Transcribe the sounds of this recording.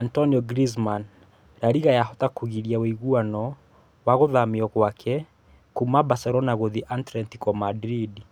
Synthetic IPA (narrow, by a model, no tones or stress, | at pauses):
antɔniɔɡɾizman | ɾaɾiɣajaɦɔtakuɣiɾiaweiɣuanɔ | waɣoðamiɔɣwakʰɛ | kumabasɛɾɔnaɣoðiʔantɾɛntikɔmadɾidi